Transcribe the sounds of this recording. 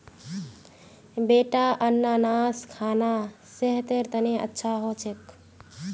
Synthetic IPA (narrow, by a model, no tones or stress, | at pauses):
beʈaʔənːanaskʰaːna | seɦt̪eɾt̪əneə̰tːʃʰaɦot͡ʃʰek